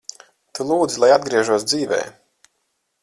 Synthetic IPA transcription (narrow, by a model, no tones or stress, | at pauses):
t̪ulˠuːd̪zilˠajad̪̚ɡɾiɛʒuɔsd̪ziːvɛ̰ː